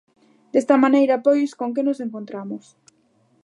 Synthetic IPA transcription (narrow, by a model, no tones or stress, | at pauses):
d̪est̪amanejɾapojskoŋk̬enoseŋkont̪ɾamos